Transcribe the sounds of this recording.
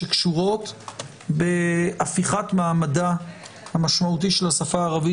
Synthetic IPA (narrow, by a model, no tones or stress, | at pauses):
ekʃuʁo̞t | be̞ʔafiχatmaːmada | hamaʃmaut̬iʃe̞lhasafaːʁavi